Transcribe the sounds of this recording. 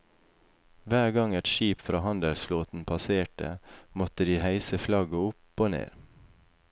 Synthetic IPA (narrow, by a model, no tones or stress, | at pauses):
ʋæːɡɑŋɛt̪ʃiːpfɾɑːhɑnd̪əlsfloːt̪n̩pʰɑseːʈə̰mɔt̪əd̪iːhæɪsəflɑɡəʊpoːnḛːɾ